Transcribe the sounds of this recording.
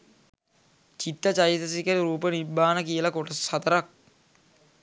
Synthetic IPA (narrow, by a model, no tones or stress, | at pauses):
t͡ʃit̪ːət͡ʃajisəs̬ikəɾiɾuːpənibːaːnəkijəlakoʈəsat̪əɾak̚